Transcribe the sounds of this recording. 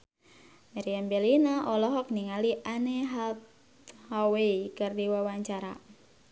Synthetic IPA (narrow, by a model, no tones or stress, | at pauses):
maɾiambɛlinaʔɔlɔɦɔk̚niŋaliʔaneɦalt̪ | haweikɨrdiwawaɲt͡ʃaɾa̰